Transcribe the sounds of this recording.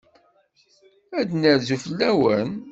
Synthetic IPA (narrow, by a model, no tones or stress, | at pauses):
æd̪nəɾzufəlːæwən